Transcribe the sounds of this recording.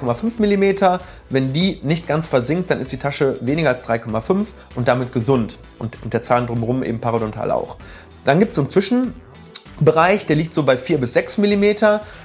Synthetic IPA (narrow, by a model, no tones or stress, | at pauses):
kʰɔmafʏnfmɪlimeːtʰɐ | vɛndiːnɪçtɡ̥ant͡sfɛɐzɪŋkt̚d̥anɪstd̥iːtʰaʃəveːnɪɡɐalsd̥ʁaɪkʰɔmafʏnf | ʔʊnt̚d̥amɪtɡ̥əzʊnt | ʔʊntʊntd̥eːɐt͡saːləndʁʊmʁʊmʔḛːbm̩pʰaʁadɔntʰa̰ːlʔa̰ʊx | d̥anɡiːptszoːnt͡sv̥ɪʃn̩ | bəʁaɪçd̥eːɐliːk̚tz̥oːbaɪfiːɐbɪsz̥ɛksmɪlimeːtʰɐ